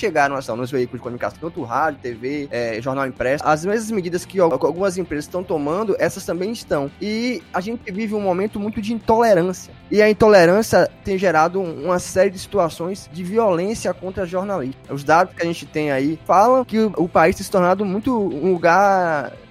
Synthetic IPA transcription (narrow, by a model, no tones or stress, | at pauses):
ʃeɡaɾɐ̃w̃ast̪ɐ̃w̃nʊzveikʊlʊzd͡ʒɪkomunika̰sɐ̃t̪ɐ̃t̪ʊɦad͡ʒʊt̪eveɛʒɔɾnawĩpɾɛsɐzmezmɐzmɪd͡ʒid̪ɐskɪaawɡũmɐzẽpɾezɐzsst̪ɐ̃w̃t̪omɐ̃nd̪ʊʔɛsɐst̪ɐ̃mbẽj̃ist̪ɐ̃w̃ɪaʒẽt͡ʃɪvivɪũmomẽnt̪ʊmũj̃t̪ʊd͡ʒɪĩt̪oleɾɐ̃siɐɪɐĩnt̪oleɾɐ̃sijɐt̪ẽj̃ʒeɾad̪ʊũmɐsɛɾiɪd͡ʒɪsi̥t̪uasõj̃zd͡ʒɪviolẽsiɐkõnt̪ɾɐʒoɾnaliʃt̪ʊzd̪ad̪ʊskɪaʒẽnt͡ʃɪt̪ẽj̃aifalɐ̃w̃kɪʊpaist̪ẽj̃sɪ̥it̪ɔɾnad̪ʊmũj̃t̪ʊũluɡaɾ